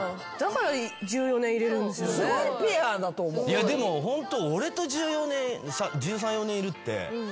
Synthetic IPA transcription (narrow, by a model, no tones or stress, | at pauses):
d̪̥akaɾad͡ʑɨːjo̞nẽiɾe̞ɾɯ̟̃nd̪e̞sɨosipʲiad̪at̪o̞ːmojad̪e̞mo̞ɦõ̞nt̪ooɾe̞t̪o̞ʑɨːjo̞nẽɰsãd͡ʑɨːs̬ãɰ̃jo̞nẽɰiɾɯ̟t̪ːe̞̰